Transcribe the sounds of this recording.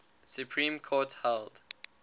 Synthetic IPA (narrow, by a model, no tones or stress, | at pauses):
sjupʰɹĩmkʰɔthɛld